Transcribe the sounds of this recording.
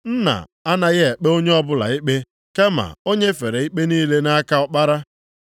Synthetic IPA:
n̩˦na̰˨ | a˦na˨ɣɪ˦e˨k͡pe˦o˦ɲe˦ɔ˦bʊ˦la̰˨i˦k͡pe˦ | ka˦ma̰˨o˦ɲe˦fe˨ɾe˨i˦k͡pe˦niː˦le˦na˦a˦ka˦ɔ˦k͡pa˦ɾa˦

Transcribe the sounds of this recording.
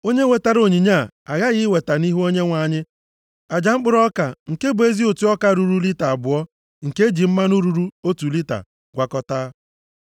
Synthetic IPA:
o˦ɲe˦we˨ta˨ɾo˨ɲi˨ɲa˦˨ | a˨ɣa˦ɣɪ˦we˨ta˨ni˦ɦu˦o˦ɲe˦ŋʷa˨ɲɪ˦ | a˨d͡ʒa˨˦ŋ͡m̩˦k͡pʊ˦ɾɔ˦ka˨ŋ̩˨ke˦bʊ˨e˦zi˦o˨tu˦ɔ˦ka˦ɾu˨ɾu˦li˦ta˨a˨bʊ˨ɔ˦ | ŋ̩˨ke˦d͡ʒi˨m̩˦ma˦nu˦ɾu˦ɾu˦o˦tu˨li˦ta̰˨ | ɡʷa˨kɔ˦ta˦

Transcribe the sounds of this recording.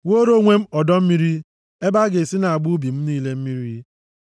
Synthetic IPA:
wo˦ɾo˦ŋʷe˦m̩˦ɔ˨dɔ˦m̩˦mi˦ɾi˦ | e˦ba˦ɡe˨si˦na˨a˨ɡ͡bu˦bi˨m̩˦niː˦le˦m̩˦mi˦ɾi˦

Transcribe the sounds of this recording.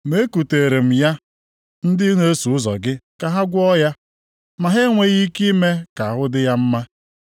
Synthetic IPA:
me˦ku˨te˨ɾe˨m̩˨ja˦ | n̩˦dɪ˦ne˦su˨ʊ˦zɔ̰˨ɡɪ˦ka˨ɦa˦ɡʷɔ˦ja˦ | ma˨ɦe˦ŋʷe˦ɣi˦ki˦me˦ka˨a˨ɦʊ˦dɪ˦ja˦m̩˦ma˦

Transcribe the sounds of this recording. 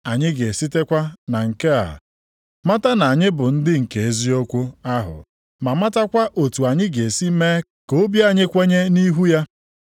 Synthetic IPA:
a˨ɲɪ˦ɡe˨si˦te˦kʷa˦na˨ŋ̩˨ke˦a̰˨ | ma˦ta˦na˨a˨ɲɪ˦bʊ˨n̩˦dɪ˦ŋ̩˨ke˨e˦zi˦o˦kʷu˦a˦ɦʊ̰˨ | ma˨ma˦ta˦kʷa˦ʔo˨tu˨a˨ɲɪ˦ɡe˨si˦me˦ | ko˦bja˦˨ɲɪ˦kʷe˦ɲe˦ni˦ɦu˦ja˦

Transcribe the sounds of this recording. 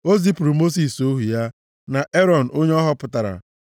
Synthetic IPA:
o˦zi˦pu˨ɾu˨mo˦s̬i˨so˦ɦu˨ja˦ | na˨ʔe˦ɾɔ˨n̩˨o˦ɲe˦ɔ˦ɦɔ˦pʊ˨ta˨ɾa̰˨

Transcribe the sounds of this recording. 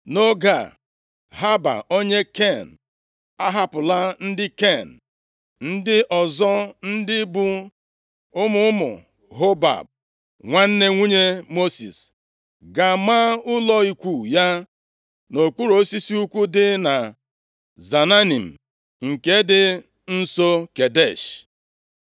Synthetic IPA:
no˦ɡa̰˨ | ɦa˦ba̰˨o˦ɲe˦ke˦˨n̩˨ | a˦ɦa˦pʊ˨la˦n̩˦dɪ˦ke˦˨n̩˨ | n̩˦dɪ˦ʔɔ˨zɔ˦n̩˦dɪ˦bu˦ | ʊ˦mʊ˨ʊ˦mʊ̰˨ | ɦo˦ba̰˨b̚ | ŋʷa˦n̩˦ne˦ŋʷu˦ɲe˦mo˦sḭ˨s | ɡa˨ma˦ʊ˦lɔ˦i˦kʷu˦˨ja˦ | no˨k͡pu˦ɾo˨˦si˦si˦u˦kʷu˦dɪ˦na˨ | za˨na˦ni˨m̩˨ | ŋ̩˨ke˦dɪ˦ | n̩˦so˦ke˨de˦˨ʃ

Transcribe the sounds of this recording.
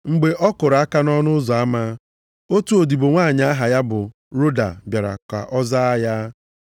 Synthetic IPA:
ŋ͡m̩˨ɡ͡be˨ʔɔ˦kʊ˨ɾa˦ka˦nɔ˦nʊ˦zɔ˨a˦ma˦ | o˦tu˦o˨di˨bʊ˨ŋʷaː˦˨ɲa˦a˦ɦa˨ja˦bʊ˨ | ɾo˦da̰˨bja˨ɾa̰˨kʷa̰˨ʔɔ˦za˦a˦ja˦

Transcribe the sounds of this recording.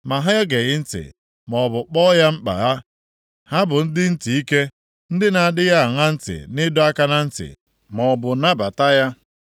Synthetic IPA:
ma˨ɦa˦jɔ˦ɡe˨ɣɪ˦n̩˦tɪ̰˨ | mɔ˨bʊ˨k͡pɔ˦ja˦ŋ͡m̩˦k͡pa̰˨ɣa˦ | ha˦bʊ˨n̩˦dɪ˦n̩˦ti˨i˦ke˦ | n̩˦dɪ˦na˨a˨dɪ˦ɣa˦a˨ŋa˦n̩˦tɪ̰˨nɪ˦dɔ˦a˦ka˦na˦n̩˦tɪ̰˨ | mɔ˨bʊ˨na˦ba˨ta˦ja˦

